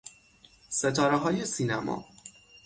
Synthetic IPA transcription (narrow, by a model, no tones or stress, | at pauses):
set̪ʰɒːɾeɦɒːje̞siːnæmɒ̰ː